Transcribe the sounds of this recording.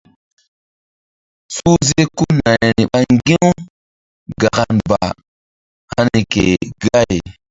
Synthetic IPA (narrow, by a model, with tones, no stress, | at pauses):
su˦ze˦ku˦na˨n˨ni˨ɓa˦ŋ˦ɡi˦u˦ | ɡa˨ka˨nba̰˨ | a˦ni˨kḛ˨ɡa˦je˨